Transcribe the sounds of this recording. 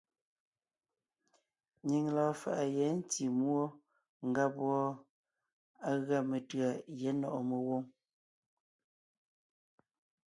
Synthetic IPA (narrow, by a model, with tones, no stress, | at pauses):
ɲi˨ŋlɔː˨fa̰˨ʔa˨jɛ˨˦n̩˦ti˨mwo˦ | ŋ̩˨ɡa˦pwɔ˦ | a˦ɣa˦˨me˨tɰa˨jɛ˨˦nɔ˨ʔɔ˨me˨wo˦ŋ